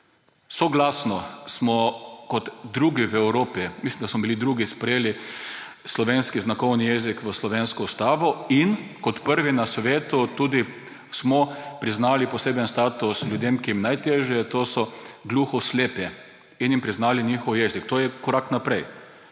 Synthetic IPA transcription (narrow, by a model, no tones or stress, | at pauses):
soɡlasnɔsmɔkɔt̪d̪ɾuɡiʋɛwɾoːpimislimd̪asmɔbilid̪ɾuːɡispɾɛjeːli | slɔʋenskiznakɔwnijɛzikʋəslɔʋenskɔust̪aːʋɔinkɔt̪pəɾʋinasʋeːt̪ut̪uːd̪i | smɔpɾiznaːlipɔseːbənst̪aːt̪uslʲjud̪emkijimnajt̪eːʒjɛt̪oːsɔɡluxɔsleːpɛ | injimpɾiznaːlinixɔwjɛzikt̪oːjɛkɔɾaknapɾɛj